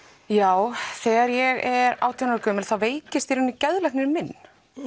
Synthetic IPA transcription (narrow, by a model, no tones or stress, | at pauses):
jaːwθɛːɣaɾjɛɣɛɾa̰ːwt̪ʰjanaɾkœːmɪlθawveːjcɪst̪iɾɪnːʏcɛðlɛhknɪɾmɪnː